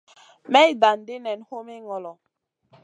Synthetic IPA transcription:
mɛ˦i˦˨da˨n˨di˦nɛ˨nho˦me˦ŋɔ˨lɔ˨

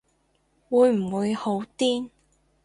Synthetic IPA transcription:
wuː˨˧jm̩˨˩wuː˨˧jho˨˧˥wt̪iː˥n

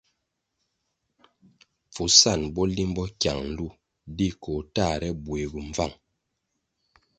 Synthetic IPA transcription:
fu˨sa˦˨nbɔ˦li˦m˦bɔ˦kja˨ŋn̩˦lu˦ | di˦ko˨ta˦˨ɾɛ˦bwe˨ɡu˨ɱ˨va̰˦˨ŋ

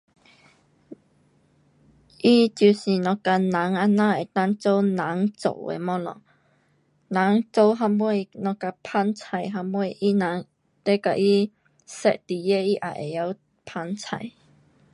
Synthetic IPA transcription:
ʔi˦t͡ɕju˧˩si˨˩nɔ̃˧ka˧nã˨˦ŋa˧nã˧˨e˨˩t̪a˦˥ŋt͡so˧˦wnã˨˦ŋt͡so̰˨˩˨ḛ˧˨mɔ˧˦lɔ̰˨ŋ | nã˨˦ŋt͡so˧˦wɦa˧mwjnɔ̃˧ka˧pʰa˧˥nt͡sʰa˨˩jɦa˧mwe˧˨ʔi˦nã˨˦ŋ | t̪e˦ka̰˧ʔi˦ | sɛ̰˧ʔt̪i˨˩je˦ʔi˦ʔa̰˧˩ʔḛ˨˩ja˧w | pʰa˧nt͡sʰa̰˨˩j

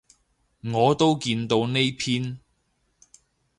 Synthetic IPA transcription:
ŋɔː˨˧t̪o˥wkiː˧nt̪o˧wne˥jpʰiː˥n

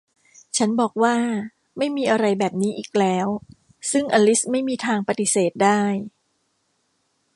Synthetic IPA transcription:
t͡ɕʰa˦˥nbɔː˨˩k̚waː˥˩ | ma˥˩jmiː˧ʔa˧ɾa˧jbɛː˨˩p̚niː˦˥ʔiː˨˩k̚lɛː˦˥w | sɯ˥˩ŋʔaː˧li˦˥ma˥˩jmiː˧t̪ʰaː˧ŋpa˧t̪i˨˩seː˨˩t̪̚daː˥˩j

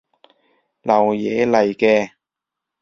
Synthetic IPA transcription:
lɐ˨˩wjɛː˨˧˥lɐ˨˩jkɛː˧

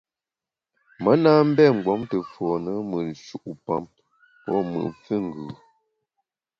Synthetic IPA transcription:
mə˨˦naː˦m̩˦bɛ˦˨ŋ̩˨ɡwɔ˨˦mtə˨fɔ˨nə˦mə˨n˨ʃu˨ʔu˨pa̰˦m | pɔ˦mə̰˨fɨ˦ŋ̩˨ɡʉː˨

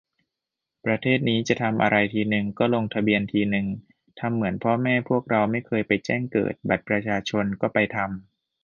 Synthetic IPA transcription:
pɾa˧t̪ʰeː˥˩t̪̚niː˦˥t͡ɕa˨˩t̪ʰa˧mʔa̰˧ɾa˧jt̪ʰiː˧nɯ˨˩ŋkɔː˥˩lo˧ŋt̪ʰa˧bi˧ənt̪ʰiː˧nɯ˨˩ŋ | t̪ʰa˧mːɯ˩˦ənpʰɔ˦˥mɛː˥˩pʰu˥˩ək̚ɾa˧wma˥˩jkʰɤː˧jpa˧jt͡ɕɛː˥˩ŋkɤ̰ː˨˩t̪̚ba˨˩t̪̚pɾa˧t͡ɕʰaː˧t͡ɕʰo˧nkɔː˥˩pa˧jt̪ʰa˧m

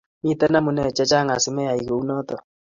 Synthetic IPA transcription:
mi˦tɛ˦na˦mu˨nɛ˦˨t͡ʃɛ˦t͡ʃa˦ŋa˨su˦mɛ˦ja˨i˨ko˨u˦nɔ˦tɔ˨

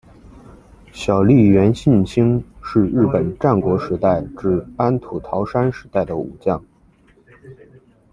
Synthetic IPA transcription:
ɕjɑ˨˩ʊli˥˩ɥɛ˧˥nɕi˥˩nt͡ɕʰi˥ŋʂɻ̩˥˧ɻɻ̩˥˩pə˨˩nʈ͡ʂa˥˩nkwɔ˧˥ʂɻ̩˧˥t̪a˥˧ɪʈ͡ʂɻ̩˥˩a˥nt̪ʰu˨˩t̪ʰɑ˧˥ʊʂa˥nʂɻ̩˧˥t̪a˥˩ɪd̪ə˩ṵ˨˩t͡ɕjɑ˥˩ŋ

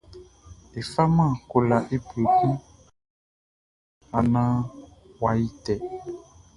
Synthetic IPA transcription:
e˨fa˦mã˦˨ko˨la˨ʔe˦bo˨kũ˦ | a˨nã˦wa˨ji˦t̪ɛ˨

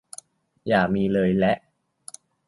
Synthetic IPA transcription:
jaː˨˩miː˧lɤː˧jlɛ˦˥ʔ

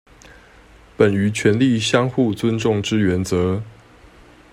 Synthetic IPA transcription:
pə˨˩ny˧˥t͡ɕʰɥɛ˧˥nli˥˩ɕjɑ˥ŋxu˥˩t͡swə˥nʈ͡ʂʊ˥˩ŋʈ͡ʂɻ̩˥ɥɛ˨˧˥nt͡sɤ˧˥

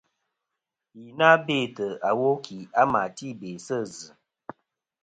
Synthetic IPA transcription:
ji˨na˦be˦˨tə˨a˨wo˦kʰi˨a˦ma˨ti˦be˨sə˦˨zɨ˨

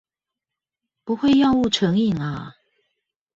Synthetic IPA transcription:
pu˨˦xwe˥˧ɪjɑ˥˧ʊu˥˨ʈ͡ʂʰɤ˨˥ŋi˨ŋa˨

